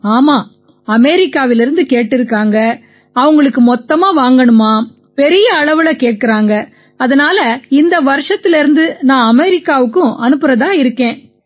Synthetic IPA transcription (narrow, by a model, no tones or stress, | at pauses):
aːmaː | ɐmɛɾɪkːaːʋɪlɪɾɯnd̪ɯkeːʈːɪɾɯkːaːŋɡɐ | ɐʋɐŋɡɐɭɯkːɯmɔt̪ːɐmaːʋaːŋɡɐɳɯmaː | pɛɾɪjɐːɭɐʋɯlɐkeːʈ̚kɪɾaːŋɡɐ | ɐðɐnaːlɐɪnd̪ɐʋɐɾɯʂɐt̪ːɪlɪɾɯnd̪ɯnãːɐmɛɾɪkːaːʋɯkːʊ̃ʔɐnɯpːɯɾɐðaːɪɾɯkːẽː